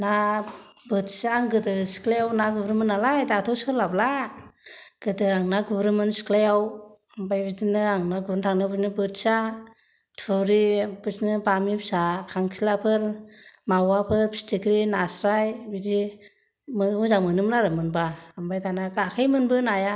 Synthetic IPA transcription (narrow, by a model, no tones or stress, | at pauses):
na | bɯtsaŋɡɯdɯsi̥klajawnaɡubɾɯmɯnalajdatʰɔsɯlabla | ɡ̥ɯdɯaŋnaɡuɾɯmɯnsi̥klajaw | mbajbidinɯaŋnaɡuɾntʰaŋnɯbɯsnɯbɯtsa | tʰuɾibɯsnɯbamipsakʰaŋsʰilapʰɯɾmawapʰɯɾpʰistikɾinasɾajbidi | mmɯzaŋmɯnɯmnaɾɯmɯnbaːmbajtʰanaɡakʰajmɯnbɯnaja